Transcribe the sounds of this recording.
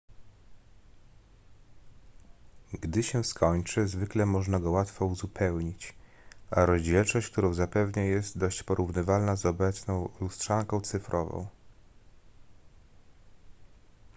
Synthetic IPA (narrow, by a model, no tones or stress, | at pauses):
ɡd̪ɘɕɛskʰɔɲt͡ʂɘzvɘklɛmɔʐnaɡɔwat̪fɔuzupʰɛwɲit͡ɕ | ʔaɾɔʑd͡ʑɛlt͡ʂɔɕt͡ɕk̚t̪uɾɔ̃w̃zapɛvɲajɛst̪d̪ɔɕt͡ɕpɔɾuvnɘvalnazɔbɛt̪snɔ̃w̃lustʂaŋkɔ̃w̃t̪sɘfɾʔɔvɔ̰̃w̃